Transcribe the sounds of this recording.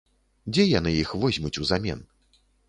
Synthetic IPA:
d͡zʲɛjanɨjixvɔzʲmʲut͡sʲuzamʲɛ̰n

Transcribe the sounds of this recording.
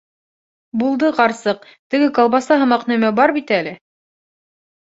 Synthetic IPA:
bulˠd̪ɤqɑɾsɤq̚ | t̪ɘ̆ɡɘkɑlˠβɑsɑɦɤ̆mɑqnæmæbɑɾbit̪ælɘ

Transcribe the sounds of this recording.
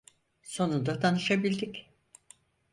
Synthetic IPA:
so̞nund̪at̪ʰanɯʃabilʲd̪ik

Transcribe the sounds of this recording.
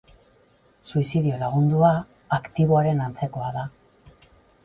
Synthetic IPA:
suisiðio̞laɣ̞und̪uaː | kt̪iβ̞o̞aɾe̞nant͡se̞ko̞aða

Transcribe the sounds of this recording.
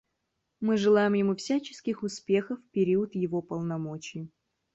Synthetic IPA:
mɨʐɨlˠajɪmjɪmufsʲæt͡ɕɪ̥skʲɪxʊspʲe̞xəfːpʲɪɾʲiət̪jɪvo̞pəlˠnɐmo̞t͡ɕɪj

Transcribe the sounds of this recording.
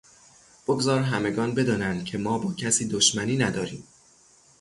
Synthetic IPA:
b̥oɡzɒːɾɦæme̞ɡɒːnbe̞d̪ɒːnænd̪̥̚cʰe̞mɒːbɒːcʰæsiːd̪oʃmæniːnæd̪ɒːɾiːm

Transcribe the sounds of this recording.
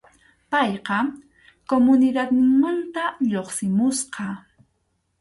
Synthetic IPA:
pɑjqɑ | komʊnɪd̪at̪mant̪aʎoχsɪmʊsqɑ

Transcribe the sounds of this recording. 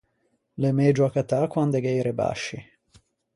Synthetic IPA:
lemed͡ʒuakat̪akwand̪eɡejɾeba̰ʃːi

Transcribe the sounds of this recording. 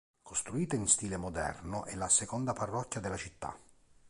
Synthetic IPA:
kost̪ɾuiːt̪ainst̪iːlemod̪ɛ̰rnʊʔɛlːasekɔnd̪aparːɔkːjad̪ɪlat͡ʃit̪ːa̰

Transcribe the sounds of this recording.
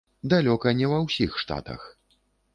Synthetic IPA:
d̪alʲɔkɐnʲɛvɐwsʲixʂt̪a̰t̪ɐ̰x

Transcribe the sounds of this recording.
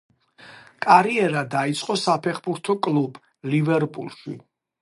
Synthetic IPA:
kʼaɾiɛɾad̪ait̪sʼqʼɔsapʰɛχbuɾt̪ʰɔkʼlub | livɛɾpʼulˠʃi

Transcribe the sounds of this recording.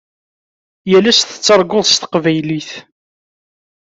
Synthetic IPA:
jælæst̪ə̥t͡sːɑɾˤɡʊðˤst̪ə̥qvæjliθ

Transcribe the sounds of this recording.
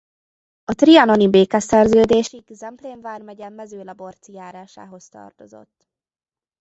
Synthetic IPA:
ɒt̪riɒnonibeːkɛsɛrzøːd̪eːʃiɡzɛmpleːɱvaːrmɛɟɛmːɛzøːlɒbo̞rt̪sijaːɾaːʃa̰ːɦo̞st̪ɒ̰rt̪o̞zo̞̰t̪ː

